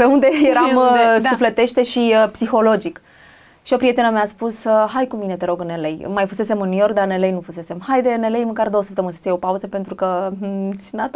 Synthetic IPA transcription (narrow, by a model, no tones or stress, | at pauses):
peund̪e̞jeɾamsuflet̪e̞ʃt̪e̞ʃiəpsixo̞lo̞d͡ʒik | ʃio̞pɾie̞t̪enəmeaspusəɦajkumine̞t̪e̞ɾo̞ɡɨnːe̞lejmajfuse̞se̞mɨnːujo̞rkd̪ane̞lejnufuse̞se̞mhajd̪ene̞lejməŋkaɾrd̪o̞wəsə̥p̚t̪emɨnsi̥t͡s̪ejo̞pauzəpe̞nt̪ɾukəsinat̪